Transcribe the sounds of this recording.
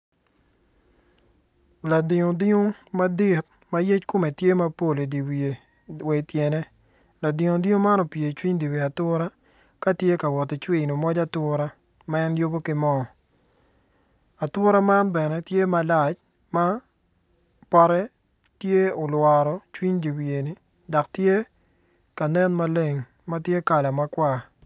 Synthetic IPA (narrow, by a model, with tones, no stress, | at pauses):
la˨dɪ˨ŋo˨dɪ˦o˦ma˦di˦˨t̪̚ | ma˦je˦t͡ʃkʊ˦me˨tje˦ma˦po˦˨le˨di˨wie˨ | we˨tje˨nɛ˦ | la˨dɪ˨ŋo˨dɪ˦o˦ma˦nɔ˨pje˨t͡ʃwi˦ɲdi˨wi˨a˨tʊ˦ɾa˦ | ka˦tje˦ka˨wɔ˨tɪ˨t͡ʃwe˦˨no˨mɔ˦d͡ʒa˦tʊ˦ɾa˦ | maɛ˦njo˦bo˦kɪ˨mɔ˦˨ | a˨tʊ˦ɾa˦ma˦nbɛ˨nɛ˦tje˦ma˨la˦˨t͡ʃ | ma˦ | pɔ˦ɾɛ˦ | tje˦o˨lwa˨ɾɔ˨t͡ʃwi˦ɲdi˨wje˨ni˨ | da˨ktje˦ | ka˨nɛ˦nma˦le˦˨ŋ | ma˦tje˦ka˨la˨ma˦kwa˦˨